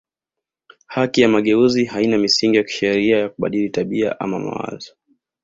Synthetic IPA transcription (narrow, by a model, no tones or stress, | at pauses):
hakijamaɠɛuziɦainamisiŋɡijaki̥ʃɛɾiajakuɓa̰ɗilitaɓia̰ʔa̰mama̰wa̰zɔ